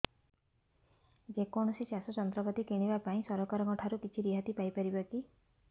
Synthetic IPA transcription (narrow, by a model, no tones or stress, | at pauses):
d͡ʒekɔɽ̃ɔsisjasɔt͡ʃɔnt̪ɾɔpɔt̪ikeɽ̃ibapaĩsɔɾɔkaɾɔɡɔʈʰaɾukit͡ʃʰiɾiɦat̪ipajpɔɾibɔki